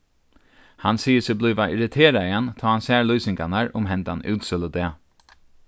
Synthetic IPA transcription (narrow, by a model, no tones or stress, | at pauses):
hansiːəsɪblɔːʋaʔɪɾɪt̪ʰeːɾaiant̪ʰɔːhansæːɹlyːsɪŋkanaɹʊ̰mɦɛnt̪anʉːt̪sɪləd̪ɛː